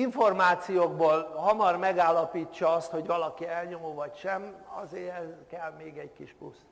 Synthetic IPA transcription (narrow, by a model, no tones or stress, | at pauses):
iɱfo̞rmaːt̪sijoːɡ̚boːlɦɒmɒrmɛɡaːlːɒpiːt͡ʃːɒɒst̪ho̞ɟʋɒlɒkiɛlɲomoːvɒcʃɛmɒzeːɾɛzkɛlmeːɡɛɟkiʃpṵs